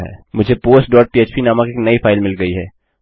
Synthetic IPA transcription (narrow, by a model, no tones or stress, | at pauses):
ɦɛ̰ːmʊd͡ʒʱepoːsʈ̚ɖɔːʈ̚piːeːt͡ʃpinaːmãkiknɐifʰaːɪlmɪlɡɐiɦɛː